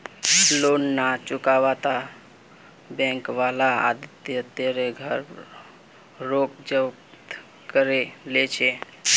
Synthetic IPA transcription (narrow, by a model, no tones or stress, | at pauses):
lonːat͡ʃʊkaʋat̪a | bɛ̃ŋkʋalaa̰d̪t̪ːiət̪jaɾeɡʱəɾ | ok̚d͡ʒəp | t̪ | kəɾelet͡ʃʰe